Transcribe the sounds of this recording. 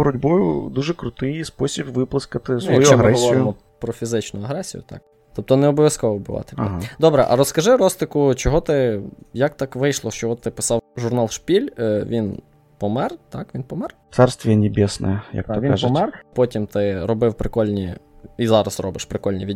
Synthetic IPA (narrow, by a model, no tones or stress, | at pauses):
ɾʊdʲbɔjʊd̪uʒɛkɾʊt̪ɪjspɔsʲibʋɪplˠɪskɐt̪ɪsʋɔjuɐɐɦɾɛɔlsˠʲɔijʊmɔ | pɾɔfʲizɪt͡ʃnʊɐɦɾɛsʲijʊ̰t̪ɑ̰k | t̪ɔp̚t̪ɔnɛɔbɔʋʲjɐskɔʋɔbʊʋɑ̰t̪ɪlɐɦad̪ɔbɾɛʔɐ̰ɾɔskɐʒɪɾɔst̪ɪkʊt͡ʃɔɦɔt̪ɪjɐk̚t̪ɑkʋɪjʃlˠɔt͡ʃɔɦɔt̪ɪpɪ̥sɑwʒʊrnɑlˠʃpʲilʲʋʲin | pɔmɛrt̪ɑkʋʲinpɔmɛrt̪sɛrst̪ʋʲijɛnʲɪbʲɛsnɛ̰jɛjɐ̰kt̪ɔʋikɑʒmɛrpɔtʲimt̪ɪɾɔbɪwpɾɪkɔlʲnʲḭizɑɾɐsrɔbɪʃpɾɪkɔlʲnʲiʋʲidʲ